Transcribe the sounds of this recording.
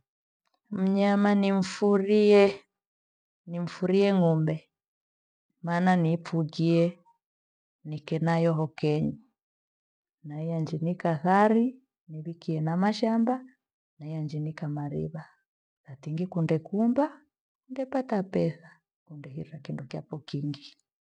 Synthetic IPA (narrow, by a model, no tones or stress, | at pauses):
m̩ɲamanim̩fuɾiɛ | nim̩fuɾiɛŋumbɛ | mananipfuɡiɛ | nikɛnajɔɦɔkɛɲi | naijand͡ʒinikaθaɾi | niβikiɛnamaʃamba | naijand͡ʒinikamaɾḭβa | ðatiŋɡikundɛkumba | kundɛpatapɛθa | kundɛhḭɾakindɔkja̰pɔkiŋɡi